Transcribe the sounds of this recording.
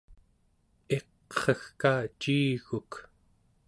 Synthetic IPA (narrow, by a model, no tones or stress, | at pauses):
e̞q | χʌxkaːt͡ʃiːɣuk